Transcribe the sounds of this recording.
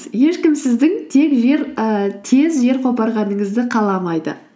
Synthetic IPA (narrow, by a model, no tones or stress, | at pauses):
je̞ʃkʲɪmsɪzd̪ɪŋt̪ʰe̞kʒe̞ɾt̪ʰe̞zʒe̞ɾqʰopɑɾʁɑnəɴəzd̪ɪqʰɑlˠɑmɑjd̪ə̰